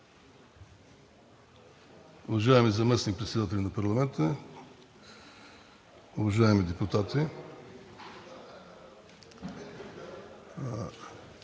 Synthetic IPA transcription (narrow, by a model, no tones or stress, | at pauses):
ʊvɐʒaɛmizɐmɛsnik̚pɾɛt̪sʲɛd̪at̪ɛlʲɐnɐpɐɾlˠɐmɛnt̪ə | ʊvɐʒaɛmid̪ɛput̪at̪i